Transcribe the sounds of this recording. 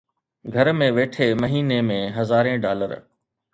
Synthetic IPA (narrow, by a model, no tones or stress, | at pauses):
ɡʱɐɾmẽʋeːʈʰemɐɦiːnemẽɦɐzaːɾẽɖaːlə̰ɾ